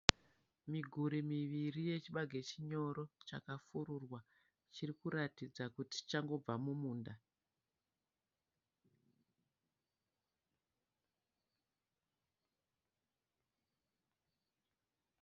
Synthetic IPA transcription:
miɡʱuɾimiʋirije̞t͡ʃiɓaɡʱe̞t͡ʃiɲo̞ɾo̞t͡ʃa̰kafuɾurwa | t͡ʃirikuɾatid͡zakuti̥t͡ʃaŋɡo̞b͡vamumuːnda

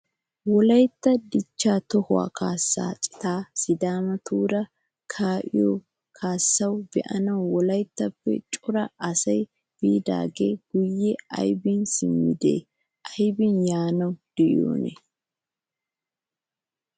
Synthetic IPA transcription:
wɔlɐjt̪ːɐd̪ɪt͡ʃːaːt̪ɔhʊa̰ːkʰaːsːa̰ːt͡ʃʼɪ̥t̪aːsɪd̪aːmɐt̪uːɾɐ | kʰaːʔɪjo | kʰaːsːɐwbɛʔɐnɐwːɔlɐjt̪ːɐpːɛ̰t͡ʃʼʊɾɐʔɐsɐj | b̥iːd̪a̰ːɡeːɡ̥ʊjːɛɐ̰jbɪnsɪmːɪd̪ḛː | ʔɐjbɪnjaːnɐwd̪̥ɛʔɪ̰o̰ːnɛ̰

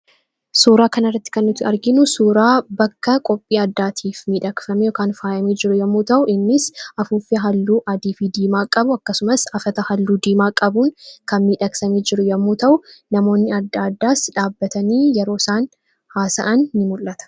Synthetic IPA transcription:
suːɾaːkɐnɐrːɐt̪ːɪ̥kɐnːʊt̪ːɪɐɾɡɪnʊsuːɾaːbɐkːɐkʼɔpʼːiːɐd̪ːaːt̪ʰiːfmiːᶑɐkfɐmɛjoːkaːnfaːjɐmeːd͡ʒɪɾʊjɐmːuːt̪ɐʔʊʔɪnːɪsʔɐfuːfɪɦɐlːuːʔɐd̪iːfiːd̪iːmaːkʼɐbʊɐkːɐsʊmɐsɐfɐt̪ɐhɐlːuːd̪iːmaːkʼɐbuːnkɐnmiːᶑɐksɐmeːd͡ʒɪɾʊjɐmːuːt̪ɐʔʊnɐmo̞ːnːɪɐd̪ːaːd̪ːaːsᶑaːbːɐt̪ɐniːjɛɾo̞ːɪsaːn | haːsɐ̰ʔɐnːɪmʊlːɐt̪ɐ̥

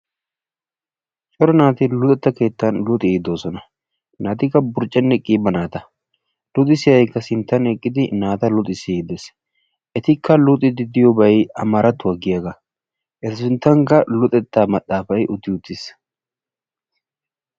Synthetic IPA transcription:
t͡ʃʼɔɾɔnaːt̪ɪlʊt̪ʼɛt̪ːɐke̞ːt̪ːɐnlʊt̪ʼɪd̪o̞ːsɔnɐ | naːt̪ɪkːɐbʊɾt͡ʃʼːɛnːɛkʼːiːbːɐnaːt̪ɐ | lʊt̪ʼɪsɪjɐjkːɐsɪnt̪ːɐnɛkʼːɪd̪ɪnaːt̪ɐlʊt̪ʼɪsɪd̪ɛs | ʔɛt̪ɪkʰːɐlʊt̪ʼɪd̪ɪd̪ɪjɔbɐjɐmaːɾɐt̪ːʊwɐɡɪjɐɡɐ | ʔɛt̪ɪsɪnt̪ːɐŋkɐlʊt̪ʼɛt̪ːaːmɐt̪ʼːaːfɐjʔʊt̪ːɪʊt̪ːɪs

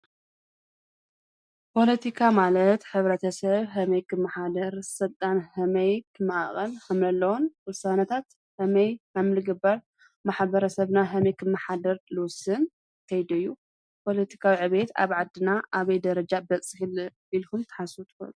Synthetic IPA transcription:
pʰo̞lɐt̪ʰikʰamalɐt̪ħɨβɾɐt̪ʰɐsɐβɦɐmɐjkʰɨmːaħad̪ɐɾsɨlt̪ʼanhɐmɐjkʰɨmːɨʔa̰χʼɐlhamlɐlːɐwonwɨsanɐt̪ʰat̪ | hɐmɐjamlɨɡɨbːɐɾ | maħbɐɾɐsɐβnaɦɐmɐjkʰɨmːaħad̪ɐɾlɨwsɨn | k̪ʰɐjd̪ɐɨjːu | pʰo̞lɐt̪ʰi̥kʰawiʕɨβet̪a̰βʕad̪ːɨnaʔaβɐjd̪ɐɾɐd͡ʒabɐt͡sʼɨxil | ilkumt̪ʰɐ̥ħasut̪ʰɨ̥ko̰lu

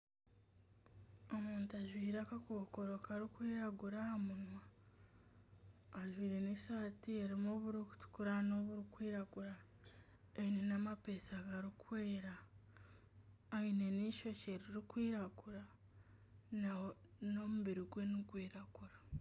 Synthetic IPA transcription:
o̞muːntaʒwiːɾakakoːko̞ɾokaɾikwiːɾaɡuɾaamuima | ʒwiːɾenesaːtieɾimoβuɾiku̥tu̥kuɾano̞βuɾikwiːɾaɡuɾa | einenamape̞saɡaɾikweːɾa | ine̞niʃo̞ceɾiɾikwiːɾaɡuɾa | no̞muβiɾiɡwe̞nikwiːɾaɡuɾa

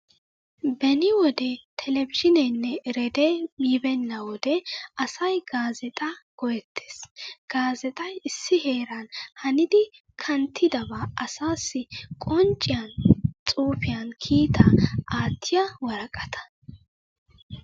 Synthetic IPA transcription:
bɛnɪwɔd̪ɛt̪ʰɛlɛvɪʃɪnɛnːɛʔɪɾɛd̪emiːbɛnːɐwɔd̪ɛɐsɐjɡaːzɛt̪ʼɐɡ̥ɔjɛt̪ʰːeːsɡ̥aːzɛt̪ʼɐjɪsːɪɦe̞ːɾɐnhɐnɪd̪ɪ | kʰɐnt̪ʰːɪd̪ɐbaɐsaːsːɪkʼɔnt͡ʃʼːɪjɐnt͡sʼuːfɪjɐnkʰiːt̪ʰɐaːt̪ʰːɪjɐwɐɾɐkʼɐt̪ʰɐ̥

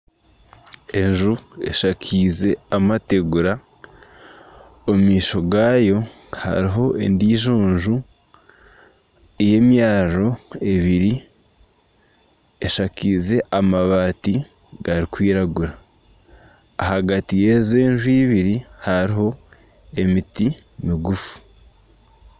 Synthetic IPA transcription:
e̞nʒue̞̰ʃakʰiːze̞amate̞ɡuɾa | omumiːʃo̞ɡaːjo̞ | ha̰ɾiɦo̞ʔe̞̰ndiːʒoːnʒu | eje̞mjaːro̞e̞βiɾi | eʃakize̞ʔamaβaːti | ɡ̥aɾikwiːɾaɡuɾa | haɡatije̞zeːnʒuiːβiɾihaɾiɦo̞ | e̞mitimiɡufu̥

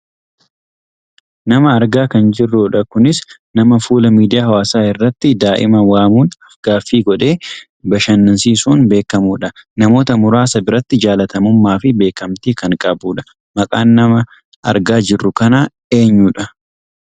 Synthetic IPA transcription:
nɐmɐːɾɡaːkɐnd͡ʒɪrːuːᶑɐkʊnɪs | nɐmɐfuːlɐmiːd̪ɪjaːɦɐwaːsaːɪrːɐt̪ːɪd̪aːʔɪ̰mɐwaːmuːnɐfɡaːfːiːɡɔᶑe̞ː | bɐʃɐnːɐnsiːsuːnbe̞ːkːɐmuːᶑɐnɐmo̞ːt̪ɐmʊɾaːsɐbɪɾɐt̪ːɪd͡ʒaːlɐt̪ɐmʊmːaːfɪbe̞ːkɐmt̪iːkɐŋkʼɐbuːᶑɐ̥ | mɐkʼaːnːɐmɐ | ʔɐɾɡaːd͡ʒɪrːʊkɐna | e̞ːɲːuːᶑɐ

